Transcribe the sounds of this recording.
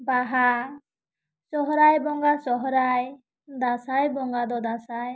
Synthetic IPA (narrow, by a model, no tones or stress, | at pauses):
baɦa | sɔɦɔɾajbɔŋɡasɔɦɔɾaj | d̪asajbɔŋɡad̪ɔd̪asaj